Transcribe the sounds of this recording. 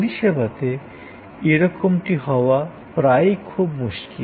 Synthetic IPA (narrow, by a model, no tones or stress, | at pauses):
ɾiʃebat̪e | eɾɔkomʈiɦɔoa | pɾajkʰubmuʃki